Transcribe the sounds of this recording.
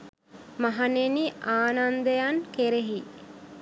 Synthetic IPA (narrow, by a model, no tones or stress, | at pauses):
maɦaneniʔaːnand̪əjankeɾeɦi